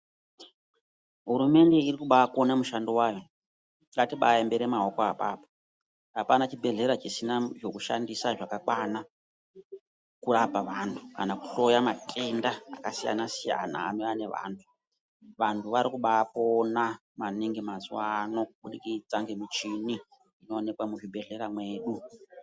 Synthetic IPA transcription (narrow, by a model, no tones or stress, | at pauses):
ɦuɾume̞nde̞irikuɓaːko̞namuʃandiwaːjo̞ | ŋɡatiɓajimbe̞ɾimaokoapa̰ːpo̥ | ɦapanat͡ʃibʱe̞ɮe̞ɾat͡ʃisinaʐo̞kuʃa̰ndisaʐakakwana | kuɾapaʋantʰukanakuɬo̞jamatʰʼenda̰ːkasija̰nasija̰na̰ːmiane̞ʋa̰ːntʰu̥ | ʋantʰuʋaɾikuɓaːpo̞na | maniŋɡimazuwaːno̞k̚uɓuɗikit͡saŋɡemit͡ʃini | ino̞ːne̞kwamuʐibʱe̞ɮe̞ɾamwe̞ːɗu